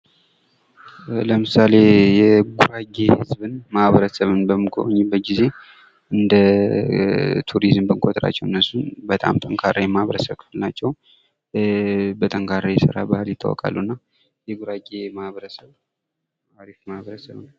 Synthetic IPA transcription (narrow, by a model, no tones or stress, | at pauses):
ləmɨsale̞jɛɡuɾaɡehɨzbɨnmahβəɾəsəβɨnbəmːɨɡʰo̰ɲːɛbəɡize̞ | ʔɨnd̪ə | t̪ʰuɾizmbəŋkʰʷʼot̪ʰʼəɾa̰t͡ʃːɛwɨnːəsːunbət̪ʼa̰mt̪ʼəŋkʰaɾajmahβəɾəsəβkʰɨ̥fɨlnat͡ʃːɛw | bət̪ʼəŋkʰaɾajɛsɨɾa̰bahljɪt̪ʰːa̰wɔ̰kʼa̰lːuɨnːa | jɛɡuɾaɡemahβəɾəsəβ | awaɾifmahβəɾəsəβɨn